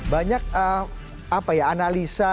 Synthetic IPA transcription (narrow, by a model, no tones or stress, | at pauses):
baɲak̚ə | apajaːnalisa